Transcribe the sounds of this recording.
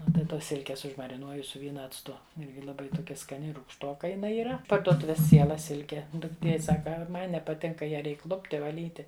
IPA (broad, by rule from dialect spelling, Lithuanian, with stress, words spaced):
ˈnʊ tɐɪ ˈtoːs ˈsʲɪlʲkʲeːs ʊʒmɐrʲɪˈnuɔjʊ sʊ ˈʋʲiːnɐ ɐt͡sˈtʊ ˈɪrʲɡʲɪ lˠɐˈbɐɪ toːˈkʲɛ skɐˈnʲɪ ruːkʃˈtoːkɐ jɪˈnɐɪ iːˈrɐ pɐrduɔˈtʊʋʲeːs ˈt͡sʲiɛlˠɐ ˈsʲɪlʲkʲɛ dʊkˈtʲiɛ ˈsɑːkɐ ˈmɐ nʲɛpɐˈtʲɪŋk kɐɪ ˈjæː ˈrʲɛɪk ˈlˠʊpʲtʲɪ ʋɐˈlʲiːtʲɪ